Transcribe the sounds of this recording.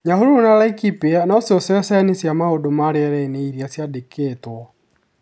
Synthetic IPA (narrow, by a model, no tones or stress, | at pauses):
ɲaɦoɾonalaikipeanɔseɔsɛɔsɛnesjamaodomaɾeɛɾɛineiɾiasjadekʰetwɔ